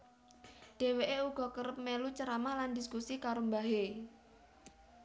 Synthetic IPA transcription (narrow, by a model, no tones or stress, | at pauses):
ɖ̥e̤weʔeuɡ̥ɔ̤kəɾəp̚melut͡ʃəɾamahlandiskusikaɾombaɦe